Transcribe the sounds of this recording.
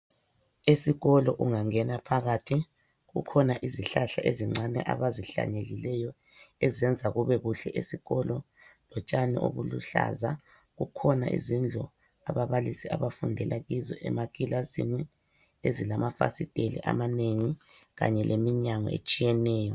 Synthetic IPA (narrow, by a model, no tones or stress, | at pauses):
esiɣɔlɔʔuŋaŋɛnapʰaɣatʰi | ɣṵkʰɔnaʔiziɬaɬaʔeziŋ͡ǁʱanɛ̰ʔa̰βaziɬa̰ɲelilɛjɔ | ɛzɛnd͡zʱaɣuβɛɣuɬɛʔesiɣɔlɔ | lɔt͡ʃʼanḭʔo̰βuluɬa̰za | ɣukʰɔnaʔḭzind͡ɮʱɔ | aβaβalisiaβafundʱɛlaɣizɔ̰ʔɛ̰makʼilazḭmɛ | ezilamafa̰sitʼelḭʔa̰maneŋi | ɣa̰ɲɛlʔemiɲaŋɔ̰ḛt͡ʃʼijɛnɛːjɔ